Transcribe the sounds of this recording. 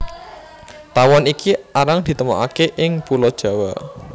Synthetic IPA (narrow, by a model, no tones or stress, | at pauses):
t̪awɔnikiaɾaŋd̪̥i̤t̪əmɔ̰ʔakeʔɪŋpulɔd̥ʒ̥a̤wɔ